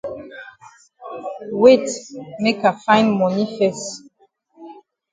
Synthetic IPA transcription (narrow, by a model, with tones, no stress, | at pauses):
we˦tme˦ka˨fã˦ɪ̃nmɔ˨ni˦fɛ˨s